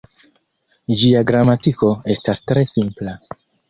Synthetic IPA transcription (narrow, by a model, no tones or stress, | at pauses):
d͡ʒiaɡɾamatiko̞e̞stastɾe̞simpla